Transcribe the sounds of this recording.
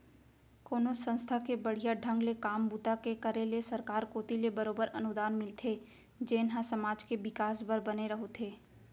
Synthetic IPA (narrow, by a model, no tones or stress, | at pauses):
koːnosə̃nst̪ʰakebɐɽ̤ijaɖʱə̃ŋɡlekaːmbuːt̪akekəɾelesɐɾkaːɾkoːt̪ilebəɾoːbəɾɐ̰nʊd̪aːnmɪlt̪ʰe | d͡ʒeːnɦãsɐmaːd͡ʒkeʋɪkaːsbəɾbɐneɾɐɦot̪ʰeː